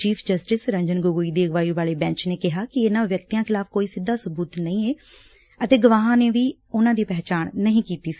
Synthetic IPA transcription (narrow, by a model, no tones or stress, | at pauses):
t͡ʃiːpʰd͡ʒəsʈɪsɾə̃ɲd͡ʒənɡʊɡuiːd̪iːəɡʋaːiːʋaːleːbɛ̃ːt͡ʃneːkɪɦaːkɪenãːʋjək̚t̪ijãːkʰɪlaːfʰkoːiːsɪd̪ːaːsʊbuːt̪nəĩːeː | ət̪eːɡəʋaːɦãːneːʋiː | ʊnãːd̪iːpɛːt͡ʃaːɳ̃nəɦĩːkiːt̪iːsi̥ː